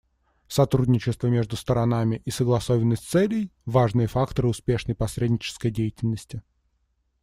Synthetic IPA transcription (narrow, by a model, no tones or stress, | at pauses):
sɐt̪ɾudʲnʲɪt͡ɕɪst̪vəmʲe̞ʐd̪ʊst̪əɾɐnamʲɪʔisəɡlˠɐsovʲɪnːəsʲtʲt̪sɛlʲɪjvaʐnɨjəfakt̪əɾɨʊspʲe̞ʂnəjpɐsɾʲedʲnʲɪt͡ɕɪ̥skəjdʲejɪtʲɪlʲnəsʲtʲɪ